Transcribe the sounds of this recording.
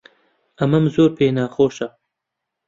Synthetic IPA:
ɐmɐmzoːɾpeːnɑːxoːʃa

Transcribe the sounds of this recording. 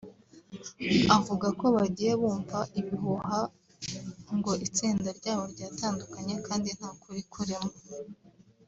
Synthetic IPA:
avuɡako̞βaɟiːje̞βuːɱvaʔiβiɦuɦa | ŋɡo̞ʔit͡siːndaɾɟaːβo̞ɾɟaːtaːndukaɲe̞kaːndin̥haːkuɾikʰuɾimo

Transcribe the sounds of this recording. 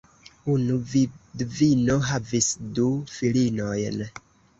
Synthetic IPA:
unudvino̞ɦavisdufilinojn

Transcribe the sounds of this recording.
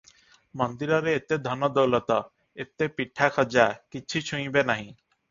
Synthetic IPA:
mɔnd̪iɾɔɾeet̪ed̪ʱɔnɔd̪owlɔt̪ɔ | et̪epiʈʰːakʰɔd͡ʒakit͡ɕʰut͡ɕʰũj̃benaɦĩ

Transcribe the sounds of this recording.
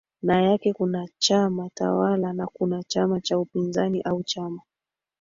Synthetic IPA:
najakɛkunat͡ʃamata̰walanakunat͡ʃamat͡ʃaupinzaniʔaut͡ʃama

